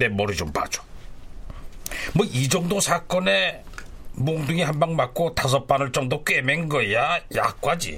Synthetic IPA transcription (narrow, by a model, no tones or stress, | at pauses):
e̞mʌɾɯd͡ʑompa̰d͡ʑo̥ | mʌʔid͡ʑʌŋdosʰak͈ʌne̞ | moŋduŋiɦanbaŋmak̚k͈otas̬ʰʌp͈anɯɭt͡ɕ͈ʌŋdok͈emenɡʌjaja̰k̚k͈wad͡ʑḭ